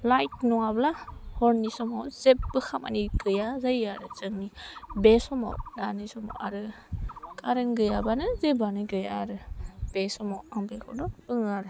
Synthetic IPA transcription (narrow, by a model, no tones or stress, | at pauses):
lajt̚nɔŋablahɔɾnisɔmɔwzep̚bɯkʰama̰niɡɯjazajaɾɯt͡ʃɯŋnibesɔma̰wdanisɔmɔ̰wʔaɾɯ | kʰʼaɾɯŋɡɯjabanɯzebanɯɡɯjaaɾɯb̥esɔmawaŋbekʰɔ̰wnɔpɯŋaɾɯ